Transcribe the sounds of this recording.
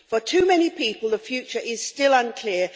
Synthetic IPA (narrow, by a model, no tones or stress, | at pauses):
fətʰʉːmɛñipʰiˑpəlˠðəfjʉˑt͡ʃəɹʔɪz̥stɪlʌ̃nkʰl̥ɪə